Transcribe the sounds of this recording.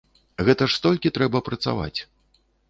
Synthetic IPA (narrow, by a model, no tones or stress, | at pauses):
ɣɛt̪ɐʂst̪ɔlʲkʲit̪ɾɛbɐpɾɐt̪sa̰va̰t͡sʲ